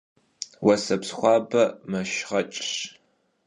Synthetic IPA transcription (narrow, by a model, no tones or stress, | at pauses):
wɐsɐpsχʷɑːbɐmɐʃʁɐt͡ʃʼɕ